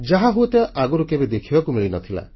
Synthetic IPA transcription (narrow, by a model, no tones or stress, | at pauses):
d͡ʒaɦaɦut̪eʔaɡɔɾukebed̪ekʰibakumiɭinɔt̪ʰila̰